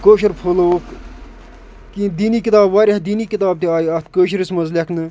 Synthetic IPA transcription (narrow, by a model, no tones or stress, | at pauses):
koːʃiɾpʰoloːk | kid̪iːniːkit̪aːbʋaːɾʲehd̪iːniːkit̪aːb̚t̪iaːjiɐt̪kəːʃ̬iɾismɐzlʲeknɨ